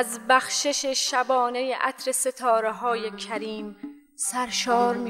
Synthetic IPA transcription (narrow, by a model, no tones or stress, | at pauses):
zbæxʃe̞ʃeʃæbɒːne̞jeʔæ̰t̪ʰɾe̞se̞t̪ʰɒːɾeɦɒːjekʰæɾiːm | sæɾʃɒːɾmi